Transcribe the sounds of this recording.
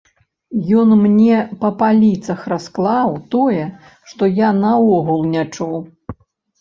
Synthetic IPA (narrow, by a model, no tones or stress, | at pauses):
jɔnmnʲɛpɐpalʲit̪sɐxrasklˠawt̪ɔjɛ | ʂt̪ɔjanɐɔɣulˠnʲat͡ʂuw